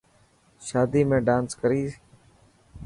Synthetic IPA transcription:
ʃaːd̪iːmẽːɖãːnskəɾiːs

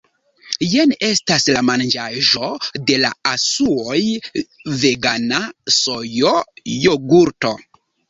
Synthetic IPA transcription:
jene̞staslamand͡ʒaʒo̞de̞la̰asuoj | ve̞ɡanasojojoɡuɾto̞

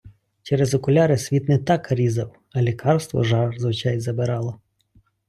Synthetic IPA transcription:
t͡ʃɛɾezɔkʊlʲɑɾesʲʋʲit̪nɛt̪ɑkɐɾʲizɐw | ɐlʲikʰɑrst̪ʋɔ̰ʒɑrzʋɪt͡ʃɑjzɐbeɾɑlˠɔ

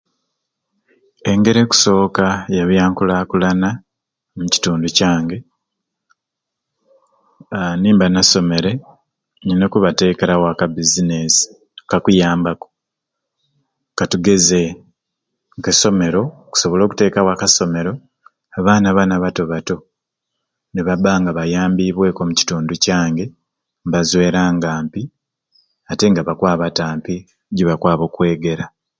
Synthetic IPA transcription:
e̞ŋɡe̞ɾe̞ku̥so̞ːkajaβjaːŋkulaːkulana | muci̥tuːnducaːŋɡe̞ | niːmbanaso̞me̞ɾe̞ | ɲinokuβate̞ːkeɾawaːkabizine̞si̥ | kakujaːmbako̥ | katuɡe̞ze | ŋkeso̞me̞ɾo̞ku̥so̞βo̞lo̞ːku̥te̞ːkawakaso̞me̞ɾo̞ | aβaːnaβanaβato̞βato̞ | neβabaːŋɡaβajaːmbiβwe̞ːko̞muci̥tuːnducaːŋɡe̞ | mβazwe̞ːɾaːŋɡaːmpi | ate̞ŋɡaβakwaːβataːmpi | ɟiβakwaːβo̞kwe̞ːɡe̞ɾa

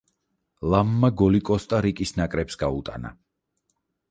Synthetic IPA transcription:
lˠamːaɡɔlikʼɔst̪ʼaɾikʼisnakʼɾɛpsɡaut̪ʼa̰na̰

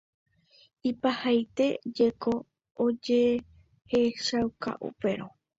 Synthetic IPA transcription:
ipahajt̪e̞d͡ʒe̞ko̞ː | d͡ʒe | heʃawka̰ʔṵpe̞ɾo

